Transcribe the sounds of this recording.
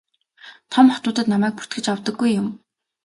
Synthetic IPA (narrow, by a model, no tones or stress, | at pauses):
t̪ʰɔmχɔt̪ʊːt̪ə̆t̪namæːk̚pu̥t̪ɡɘ̆t͡ɕawt̪ə̆ɡːujːʊm